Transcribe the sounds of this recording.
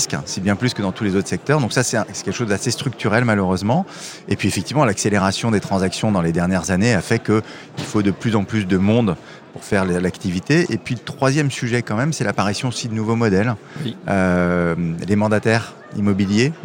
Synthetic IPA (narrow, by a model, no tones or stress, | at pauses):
sksibjɛ̃plyskəd̪ɑ̃t̪ulezot̪χəsɛk̚t̪œʁd̪ɔ̃ksasɛt̪ɛ̃sɛ̥kɛlkə̥ʃozd̪asest̪χyk̚t̪yʁɛlmaløʁøzmɑ̃ | epɥiefɛk̚t̪ivmɑ̃lakseleʁasjɔ̃d̪et̪χɑ̃zaksjɔ̃d̪ɑ̃led̪ɛʁnjɛʁzaneafɛkə | ilfod̪əplyzɑ̃plys̬d̪əmɔ̃d̪ | puʁfɛʁllakt̪ivit̪eʔepɥilət̪χwazjɛmsyʒɛkɑ̃mɛmsɛlapaʁisjɔ̃osid̪ənuvomɔd̪ɛlømlemɑ̃d̪at̪ɛʁ | ḭmɔbilje